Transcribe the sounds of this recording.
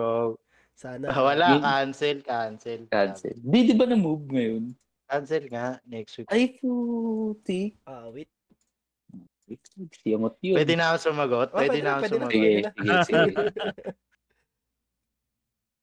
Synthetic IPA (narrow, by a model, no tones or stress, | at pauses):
oɡ̚ | sanwɐlakansɛlkansɛlkansɛ̰ld̪id̪obɐnɐmub̚ŋɐjon | kansɛlŋaʔnɛkst̪wiʔajfut̪iwit̪̚ | wɪkiɡsɪɐmot̪̚jowɛd̪ɪnakʊnsʊmɐɡot̪̚ppwɛd̪ɪnaʊnsʊmɐsɪɡɛsɪɡɛsɡ